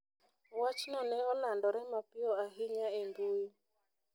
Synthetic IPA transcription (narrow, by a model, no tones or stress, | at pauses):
wat͡ʃnɔnɛɔlandɔɾɛmapɪɔaɦiɲaembui